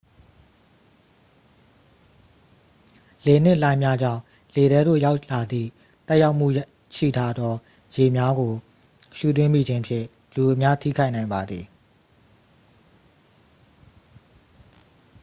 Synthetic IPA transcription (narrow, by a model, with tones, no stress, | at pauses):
le˨n̥ɪ˦ʔlã˦ɪ̃mja˦d͡ʑã̰˦˨ | le˨ɾɛ˨˦do̰˦˨ja˦ʊʔla˨d̪ðḭ˦˨ | t̪ɛ˦ʔja˦ʊʔm̥ṵ˦˨ | ʃḭ˦˨tʰa˦d̪ɔ˦ | je˨mja˦ɡo˨ | ʃṵ˦˨t̪̬wɪ̃˦mḭ˦˨d͡ʑɪ̃˦pʰjɪ̰̃˦˨ | lu˨ʔə˨mja˦tʰḭ˦˨kʰa˦ɪʔnã˨ɪ̃mba˨d̪ði˨